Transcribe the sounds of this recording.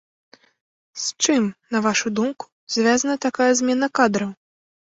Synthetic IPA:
st͡ʂɨmnɐvaʂud̪umku̥z̥ʲvʲazɐnɐt̪akajɐzʲmʲɛnɐkad̪ɾɐw

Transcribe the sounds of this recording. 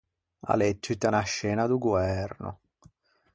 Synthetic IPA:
a̰let̪ːit̪anaʃːɛːnad̪uɡwɛɾno̰

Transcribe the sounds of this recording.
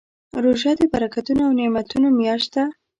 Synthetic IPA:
ɾoʒɑd̪əbaɾakat̪unoawnemat̪unomjɑʃa

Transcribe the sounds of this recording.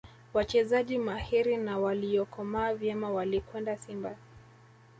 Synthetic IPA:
wat͡ʃɛzaʄimahiɾinawaliɔkɔmaːvjɛmawalikwɛndasimba

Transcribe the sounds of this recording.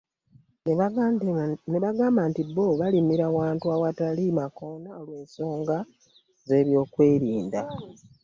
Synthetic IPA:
neβaɡaːmbantiβoβalimiɾawaːntuawatalimako̞naolwe̞ːnso̞ːŋɡa | ze̞ːβjo̞ːkwe̞ːɾiːnda

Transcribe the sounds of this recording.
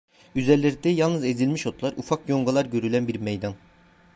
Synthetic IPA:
yzɛɾlʲeɾd̪ɛjalˠnɯzezilʲmiʃot̪lˠaɾufakjo̞ŋɡalˠaɾɟø̞ɾylʲænbiɾmejd̪an

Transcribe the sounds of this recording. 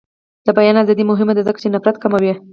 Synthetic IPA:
d̪̥əbajɑnazɑd̪imʊɦɪmad̪azəkḁt͡ʃenafɾat̪kamawi

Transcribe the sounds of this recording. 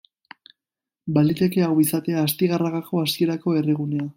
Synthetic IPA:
balit̪e̞ke̞awisat̪e̞aːst̪iɣaraɣako̞asie̞ɾako̞e̞riɣ̞une̞a

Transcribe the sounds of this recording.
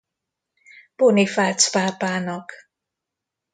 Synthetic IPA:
b̥ʊːnifatʰbabanɔɡ̥

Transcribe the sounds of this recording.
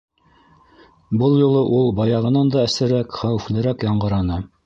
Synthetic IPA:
bɤlˠjŭlˠɤʔulˠbɑjɑʁɤ̆nɑnd̪ɑæ̆sɘ̆ɾækχæwɘf̆lɘ̆ɾækjɑɴɢɤ̆ɾɑnɤ

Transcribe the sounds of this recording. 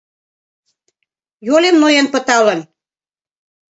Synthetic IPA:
jolemnojenpə̆t̪ɑlən

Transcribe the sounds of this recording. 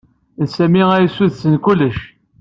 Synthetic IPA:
nsæmiʁæjsuðsənkulːəʃ

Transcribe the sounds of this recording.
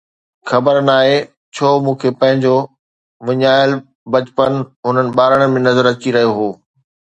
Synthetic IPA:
xɐbəɾnaːɦe | t͡ɕʰoːmũːkʰepɐ̃ɦɪ̃ɲd͡ʑo | ʋɪɲaːɪl | bɐt͡ɕpənɦʊnənɪ̆ɓaːɾəɽ̃mẽnɐzəɾɐt͡ɕiɾɐɦijoɦoː

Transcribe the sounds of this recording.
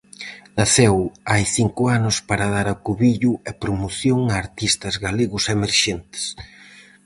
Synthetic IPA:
nɐθɛwajθiŋkʊanʊspaɾɐð̞aɾakuβiʎʊɛpɾomoθjoŋaːɾt̪ist̪ɐzɣaleɣʊsemeɾʃent̪ɪ̥s

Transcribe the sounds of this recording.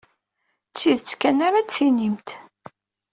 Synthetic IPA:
t͡sːiðt͡sːkːænaɾat͡sθinimt̪

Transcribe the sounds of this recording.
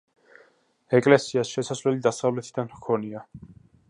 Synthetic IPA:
ɛkʼlɛsiasʃɛsasvɛlid̪asavlɛt̪ʰid̪anmkʰɔnia

